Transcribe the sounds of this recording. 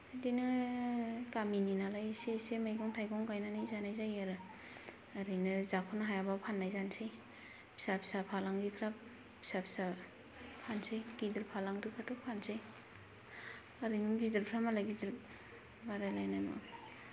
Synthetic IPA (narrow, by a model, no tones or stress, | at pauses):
dinɯ | kamininalajsesemajɡɔŋtʰajɡɔŋkajnanajzanajzajaɾɯ | aɾɯjnɯzakʰɔnaɦajabapʰanːajzansej | pʰi̥sapʰi̥sapʰalaŋɡipʰɾap | bʰi̥sapʰi̥sa | pʰansejɡidɯɾpʰalaŋɾɯpʰatupʰansej | aɾɯjnɯɡidɯɾpʰɾamalajɡidɯɾ | baɾajlajnajma̰